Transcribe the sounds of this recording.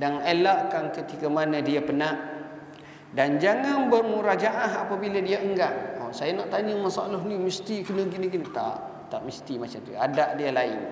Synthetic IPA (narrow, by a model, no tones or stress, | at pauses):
daŋelaʔkankət̪ikamanə̃diapənaʔ | dand͡ʒaŋanbərmuɾad͡ʒaʔaɦapabiladiaəŋɡaʔosajanaʔt̪aɲəmasa̰lɔɦnĩməst̪ikənəɡiniɡinit̪a̰ʔ | t̪aʔməst̪imat͡ʃamt̪uadaʔdialaɪ̰n